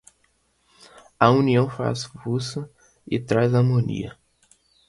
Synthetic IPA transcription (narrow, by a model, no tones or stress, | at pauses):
ɐũniɐ̃w̃fa̰svusɐ | ɪt̪ɾajzaɾmõnḭɐ